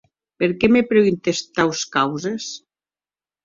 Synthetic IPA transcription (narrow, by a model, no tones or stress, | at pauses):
peɾkemepɾeint̪est̪awskawzes